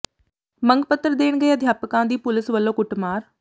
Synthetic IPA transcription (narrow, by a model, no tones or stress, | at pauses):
məŋɡpət̪ːəɾd̪eːɳ̃ɡəeːəd̪ʱjaːpkãːd̪iːpʊlɪsʋəlːõːkʊʈmaːɾ